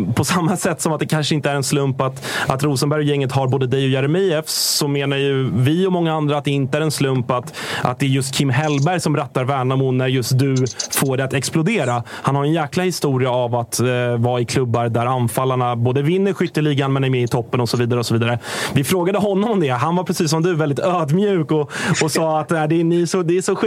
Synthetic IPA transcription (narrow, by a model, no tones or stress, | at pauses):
pʰɔsamːasɛt̪ːsɔmat̪d̪ɛkʰanʂəɪnt̪əæɾɛnslɵmpat̪at̪ɾuːsənbæɾjjɛŋːət̪ɦaɾboːd̪əd̪ɛjɔjæɾɛmiɛfsɔmeːnaɾjɵvɪɔmɔŋːaand̪ɾat̪d̪ɛɪnt̪əæɾɛnslɵmpat̪ʔa̰t̪̚d̪ɛːɾjɵst̪kʰɪmːɦɛlbæɾjsɔmbɾɛt̪ːaɾvæːɳamuːæɾjɵst̪̚d̪ɵfoːɖɛat̪ɛksplʊd̪eːɾahanhaɾɛnjæːklahɪst̪uːɾɪaavat̪vɑːɪkʰlɵbːaɾd̪æɾanfalːaɳaboːd̪əvɪnːəɾɧʏt̪ːəɭiɡanmɛnæɾmɛːɪt̪ʰɔpːənɔsɔviːd̪aɾəɔsɔviːd̪aɾəvɪfɾoːɡad̪əɦɔnːɔmɔmd̪ɛɦanvaɾpʰɾɛsiːs̬ːɔmd̪ɵvɛld̪ɪt̪øːd̪mjʉ̟ːkɔɔsɑːat̪næɪd̪ɛːnɪsɔd̪ɛːʂɔɧ